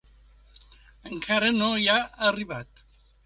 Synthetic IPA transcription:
eŋkʰaɾenojaariβat̪

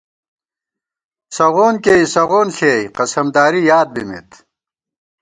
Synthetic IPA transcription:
sɐʁoːnkeːjsɐʁoːnɬeːjqɐsɐmd̪aːɾijaːd̪̚bimḭt̪

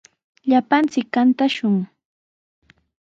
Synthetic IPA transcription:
ʎapant͡sɪkːant̪aʃʊŋ

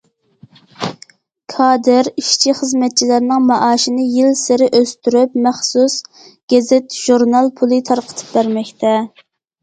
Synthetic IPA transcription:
kʰɑːd̪ɪɾiʃt͡ʃʰiχəzmɛt̪̚t͡ʃʰilæɾnɪŋmɑʔɑːʃinɨjilsɪɾɪʔøst̪yɾypmæχsus | ɡ̥ʲɛzɪt̪ʒ̥uɾnɑlˠpʰulˠɨt̪ʰɑɾqʰə̥t̪ʰɨ̥p̚bæɾmɛkʲt̪ʰɛ

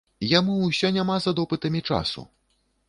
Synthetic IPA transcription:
jamusʲɔnʲamazad̪ɔpɨt̪ɐmʲit͡ʂa̰sṵ

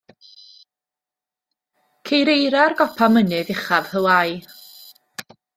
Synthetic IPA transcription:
kʰejɾejɾarɡɔpʰamənɨðɪχav̥həwaj

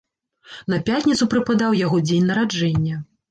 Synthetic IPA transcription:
nɐpʲatʲnʲit̪supɾɨpad̪awjaɣɔd͡zʲenʲnɐɾad͡ʐɛnʲːɐ

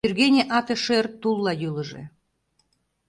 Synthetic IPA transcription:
yrɣenʲeʔɑt̪ĕʃert̪ːulˠːɑjylə̆ʒḛ

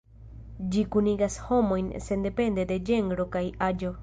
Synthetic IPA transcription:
d͡ʒikuniɡasho̞mo̞jnse̞nd̪epe̞nd̪e̞d̪e̞d͡ʒe̞ŋɡɾokajad͡ʒo̞

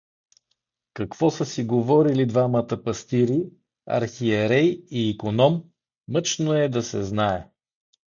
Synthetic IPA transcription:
kɐkv̥ɔsəsiɡovɔɾilid̪vamət̪əpɐst̪iɾi | ɐ̰ɾxiɛɾɛjiːkonɔmː | ɤt͡ʃnoɛd̪ɐsɛ̰znaɛ

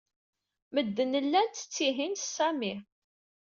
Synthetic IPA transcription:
məd̪ːənəlːænt̪ə̥t͡sːiɦinsæmi

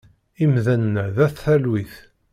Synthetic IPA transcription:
imðænːæðæθːælwiθ

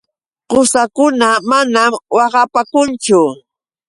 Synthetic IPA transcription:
ɢʊsakʊnamanamwɑɢɑpakʊnt͡ʃʊ

